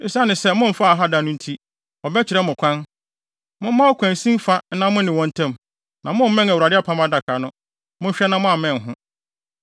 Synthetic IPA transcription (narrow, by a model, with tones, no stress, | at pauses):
sa˦nɪ̃˨sɛ˦mʊ̃˦m̩˦fa˦a˨ɦa˦da˨nʊ̃˦n̩˦tʰi˦ | ɔ˨bɛ˦t͡ɕʰɪ˨ɾɛ˦mʊ̃˨kʷʰã˦n | mʊ̃˦mã˦ɔ˦kʷʰã˨n˨sĩ˦m˦fa˦n̩˦nã˦mʊ̃˦nɪ̃˨wɔ̃˦n̩˦tʰɛ̃˦˨m | nã˨mʊ̃˦m̩˦mɛ̃˦æ˨wa˨dɪ˦a˦pʰã˦ma˦da˨kʰa˨nʊ̃˦ | mʊ̃˦ɕᶣɛ˦nã˦mʊ̃˦a˨mɛ̃˨ŋ˨ɦʊ̃˦